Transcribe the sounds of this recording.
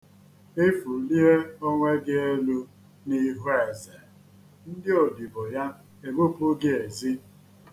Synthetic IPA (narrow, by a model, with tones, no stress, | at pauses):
e˦fu˨li˦e˦o˦ŋʷe˦ɡɪ˦e˦lu˦ | ni˦ɦu˦e˨ze˨ | n̩˦dɪ˦o˨di˨bo˨ja˦ | e˨bo˦pu˦ɡɪ˦e˨zi˦